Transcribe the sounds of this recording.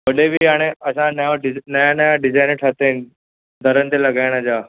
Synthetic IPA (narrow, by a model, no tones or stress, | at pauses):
ʋɐɗebʱiɦaːɽ̃eɐsãnəjãɪnɐjãnəjãɖɪzaːɪnʈʰat̪eɦɪn | d̪ʱəɾənt̪elɐɡaːɪɽ̃əd͡ʑaː